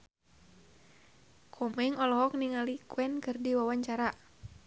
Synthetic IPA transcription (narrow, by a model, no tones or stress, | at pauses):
kʰɔmɛŋɔlɔɦɔk̚niŋalikuɛnkɨrdiwawaɲt͡ʃaɾa